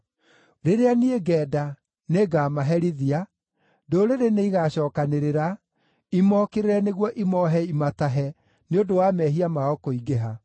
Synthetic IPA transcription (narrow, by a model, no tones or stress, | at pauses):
ɾeɾeanieɡɛːda | neɡaːmaɦɛɾiðia | doɾeɾeneiɣaɕɔːkaneɾeɾa | imɔkeɾeɾɛneɣwɔʔimɔɦɛimataɦɛ | neodowamɛɦiamaɔkoiɡeɦa